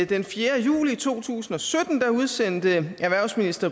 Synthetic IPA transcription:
d̥enfjeːɐjṵːliːt͡sʰo̝̰ːt͡sʰṵːsn̩ɒ̽sød̥n̩d̥ɑ̈uð̞ˠsen̰d̥əæɐʋæɐ̰ʊsminisd̥ɐ

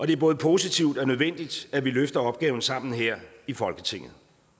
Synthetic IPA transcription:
ʔɒ̽d̥e̝æɐbɔ̽ːð̞̩ˠpʰo̝sit͡sʰiʊd̥ɒ̽nøð̞ˠʋen̰d̥id̥æʋiløfd̥ɐɒ̽b̥̚ɡ̥ɛːʊn̩sɑ̈m̰n̩ɦeɐ̰ifɒ̽lɡ̥ət͡sʰe̝ŋ̰ð̩ˠ

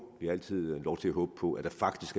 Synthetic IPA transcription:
ʋiɑæl̰t͡sʰið̰ˠlɒʊt͡sʰe̝læɦɔ̽ːb̥əpʰɒ̽ʔæd̥ɑ̈fɑ̈ɡ̥d̥isɡ̥æ

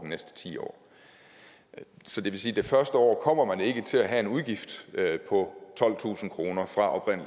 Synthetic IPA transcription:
d̥inesd̥ə̥t͡sʰḭːɒ̰ː | sɒ̽d̥e̝ʋe̝siːd̥e̝fɶɐsd̥əɒ̰ːkʰɒ̽m̰ɐmæne̝ɡ̥ət͡sʰe̝læɦæe̝nuð̞ˠɡ̥ifd̥pʰɒ̽t͡sʰɒ̽l̰t͡sʰṵːsn̩kʰʁo̝ːnɐfʁɑ̈ʔɒ̽b̥ʰʁɛn̰l

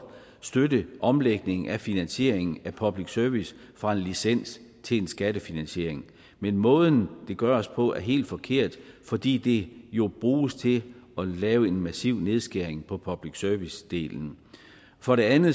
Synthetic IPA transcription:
sd̥ødəʔɒ̽mleɡ̥̚ne̝ŋŋ̩ʔæfinænɕe̝ɐ̰e̝ŋn̩æpʰɒ̽b̥liɡ̥sœɐʋis | fʁɑ̈e̝nlisen̰s | t͡sʰe̝le̝nsɡ̥æd̥əfinænɕe̝ɐ̰eŋ | menmɔ̽ːðˠn̩d̥e̝ɡ̥ɶːɐɒ̽spʰɒ̽æɐɦe̝̰ːld̥fɒ̽kʰe̝ɐ̰d̥fɒ̽d̥ḭːd̥e̝jo̝b̥ʁuːst͡sʰe̝lɒ̽lɛːʊəe̝nmæsiʊ̰ne̝ð̞ˠsɡ̥eɐ̰eŋpʰɒ̽pʰɒ̽b̥liɡ̥sœɐʋisd̥e̝̰ːln̩ | fɒ̽ɾe̝ænð̩ˠ

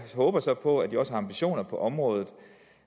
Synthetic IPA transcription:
ɦɔ̽ːb̥ɐsɒ̽pʰɒ̽æd̥iɒ̽səɦɑ̈ɑ̈mbiɕo̝̰ːnɐpʰɒ̽ʔɒ̽mʁɔ̽ːð̞ˠð̩ˠ

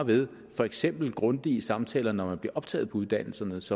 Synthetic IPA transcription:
ʋe̝ð̞ˠ | fɒ̽eɡ̥sem̰b̥l̩ɡ̥ʁɔ̽nd̥iəsɑ̈mt͡sʰɛ̰ːlɐnɒmænb̥liɐɒ̽b̥t͡sʰɛ̰ːðˠpʰɒ̽uð̞ˠd̥æn̰l̩sɐnəsɒ̽

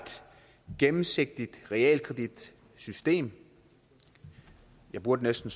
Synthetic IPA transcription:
d̥ | ɡ̥emm̩se̝ɡ̥̚d̥id̥ʁɛɛ̰ːlkʰʁɛd̥id̥ | sysd̥e̝̰ːm | jɑ̈ɪb̥uɐd̥ənesd̥n̩s

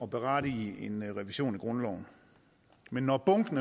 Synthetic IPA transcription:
ɒ̽b̥e̝ʁɑ̈ːɾ̥ienʁɛʋiɕo̝̰ːniɡ̥ʁɔ̽nlɒʊn̩ | menːɒb̥ɔ̽ŋɡ̥n̩

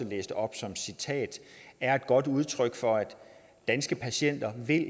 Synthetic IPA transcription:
əlḛːsd̥əɒ̽b̥sɒ̽msit͡sʰɛ̰ːd̥æɐe̝d̥̚ɡ̥ɒ̽d̥uð̞ˠt͡sʰʁœɡ̥fɒ̽æd̥ː | ænsɡ̥əpʰæɕen̰d̥ɐʋe̝l

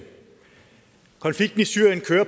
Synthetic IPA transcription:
kʰɒ̽nfliɡ̥̚d̥n̩isyɐ̰jənkʰøːɐ

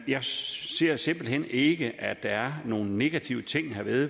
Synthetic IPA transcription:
jɑ̈ɪse̝ɐ̰se̝m̰b̥l̩ɦen̰e̝ɡ̥əʔæd̥ɑæɐno̝ːn̩ne̝ɡ̥æt͡sʰiʊ̰ət͡sʰe̝ŋ̰hæɐʋeðˠ

